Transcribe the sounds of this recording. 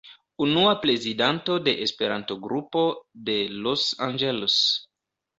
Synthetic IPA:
unuapɾe̞zidanto̞de̞ʔespe̞ɾanto̞ɡɾupo̞de̞losa̰nd͡ʒelos

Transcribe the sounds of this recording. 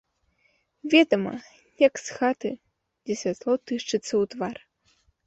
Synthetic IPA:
vʲɛd̪ɐmɐ̰ | jɐksxat̪ɨ | d͡zʲɛsʲvʲat̪lˠɔwt̪ɨʂt͡ʂɨt̪sːɐwt̪var

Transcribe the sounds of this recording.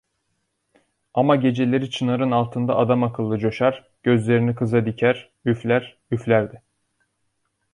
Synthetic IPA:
amaɟe̞d͡ʒe̞lʲe̞ɾit͡ʃʰɯnaɾɯnalˠt̪ʰɯnd̪a̰ʔːd̪amakʰɯlˠːɯd͡ʒo̞ʃaɾ̥ | ɟ̥ø̞zlʲe̞ɾinikʰɯzad̪icʰæɾ̥ | yflʲæɾ | yflʲæɾd̪ɪ

